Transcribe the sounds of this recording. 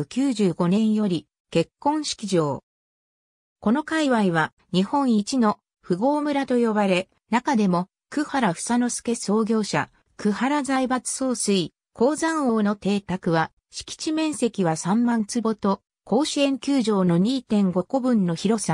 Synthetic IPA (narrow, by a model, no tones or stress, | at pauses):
ɯ̟kʲɨːʑɨːɡo̞nẽ̞ɰ̃jo̞ɾʲi | ke̞kːõ̞ɰ̃ɕi̥kʲiʑo̞ː | ko̞no̞kaiβaiβa | ɲ̟ihõ̞ɰ̃it͡ɕino̞ | ɸɯ̟ɡo̞ːmɯ̟ɾat̪o̞jo̞baɾe̞ | nakad̪e̞mo̞ | kɯ̟haɾaɸɯ̟̥sano̞sɨ̥ke̞so̞ːɡʲo̞ːɕa̰ | kɯ̟haɾazaibat͡sɨ̥so̞ːsɨi | kʰo̞ːzãɰ̃o̞ːno̞t̪e̞ːt̪akɯ̟βa | ɕi̥kʲi̥t͡ɕimẽ̞ɰ̃se̞kʲiβasãmmãnt͡sɨbo̞t̪o̞ | ko̞ːɕiẽ̞ŋkʲɨːʑo̞ːno̞ɲ̟iːt̪ẽ̞ŋɡo̞ko̞bɯ̟̃nːo̞çiɾo̞sa